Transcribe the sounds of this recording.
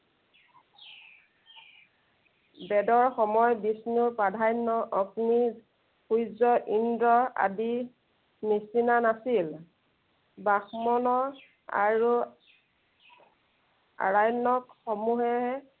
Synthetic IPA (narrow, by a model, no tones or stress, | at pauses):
bɛdɔɹxɔmɔjbisnupadʱajnɔʔɔɡni | xujzɔʔindɹɔa̰di | nisinanasil | baxmɔnɔ | a̰ɹu | a̰ɹajnɔkxɔmuɦɛɦ